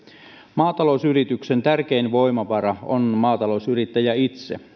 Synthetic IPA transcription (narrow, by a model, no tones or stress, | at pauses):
mɑːt̪ɑlousyrit̪yksent̪ærkeinʋo̞jmɑʋɑrɑonmɑːt̪ɑlo̞usyrit̪ːæjæit̪sḛ